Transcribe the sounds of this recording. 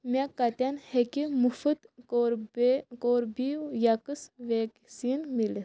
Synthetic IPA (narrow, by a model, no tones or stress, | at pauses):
mʲakːɐt̪ʲanhekʲimufɨt̪oɾkoːɾbijakɨsʋeksinmilis